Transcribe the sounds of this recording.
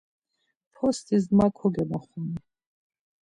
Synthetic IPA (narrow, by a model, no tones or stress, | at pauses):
pʰɔst̪ʰʼizmakʷʰɔɡamaχʷumi